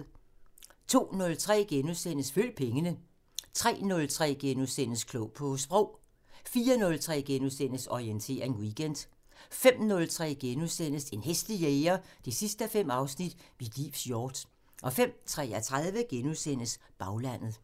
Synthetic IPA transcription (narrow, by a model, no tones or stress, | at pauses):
t͡sʰo̝̰ːnɔ̽lt͡sʰʁɛ̰ːɡ̥enuðˠsen̰əsføl̰pʰeŋənə | t͡sʰʁɛ̰ːnɔ̽lt͡sʰʁɛ̰ːɡ̥enusen̰əskʰloʊpʰɒ̽sb̥ʁɔʊ̰ | fiːɐnɔ̽lt͡sʰʁɛ̰ːɡ̥enusen̰əsɒient͡sʰe̝̰ːɐe̝nwiɡ̥en̰d̥ | fem̰nɔ̽lt͡sʰʁɛ̰ːɡ̥enusen̰əse̝nɦesd̥lieɪɐd̥esisd̥əæfem̰ɑ̈ʊsnid̥ʋilḭʋsjɒːd̥ | ʔɒ̽fem̰t͡sʰʁɛ̰ːæt͡sʰʁað̞ˠʋəɡ̥enusen̰əsb̥ɑ̈ʊlæn̰ð̩ˠ